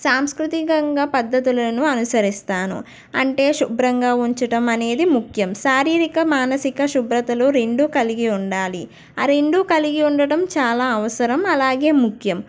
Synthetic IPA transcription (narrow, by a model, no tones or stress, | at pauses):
saːmskɾut̪ikɐŋɡaːpɐd̪ːɐt̪ulɐnuɐnusɐɾist̪aːnṵ | ɐ̰ɳʈe̞ːʃubɾɐŋɡaːuɲt͡ʃɐʈɐmɐne̞ːd̪imukʰjɐmʃaːɾiːɾikɐmaːnɐsikɐʃubɾɐt̪ɐloːɾe̞ɳɖukɐliɡiuɳɖaːli | aɾe̞ɳɖukɐliɡiuɳɖɐɽɐmt͡ʃaːlaːɐʋɐsɐɾɐmɐlaːɡe̞ːmukʰjɐm